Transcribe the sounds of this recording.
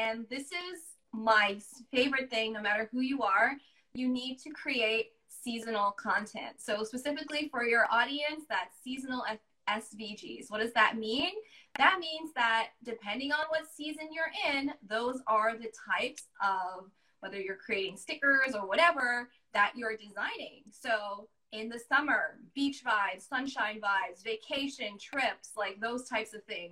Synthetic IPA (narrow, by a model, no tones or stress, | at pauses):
ɨ̃nðɪsɪz | maɪfeɪvə˞ɨt̪̚θɪ̃ŋnoʊmæɾə˞hujɨə˞ | jɨnid̚tʰɨkʰɹ̥ieɪt̚ | sizənl̩ˠkʰɑ̃ntʰɛ̰̃ntsoʊspɨsɪfɨklifə˞jə˞ʔɔɾiɨ̃nsðɨtsizən̩l̩ˠɛ | ɛsvid͡ʒḭzwʌt̚d̥ʌzðɨt̚mĩnðɨt̚mĩnzðət̚d̥ɨpʰɛ̃ndɪ̃ŋə̃nwʌtsizɨ̃njə˞ʔɪ̃nðoʊzə˞ðɨtʰaɪpsʔʌv | wɛðə˞jə˞kʰɹ̥ieɪɾɪ̃ŋstɪkə˞zə˞wʌɾɛvə˞ | ðɨt͡ʃə˞dɨzãɪ̃nɪ̃ŋsoʊ | ɪ̃nðɨsʌmə˞b̥it͡ʃvaɪvz̥sʌ̃nʃãɪ̃nvaɪvzveɪkʰeɪʃɨ̃ntʰɹ̥ɪpslaɪk̚ðoʊz̥tʰaɪpsʌv̥θɪ̃ŋz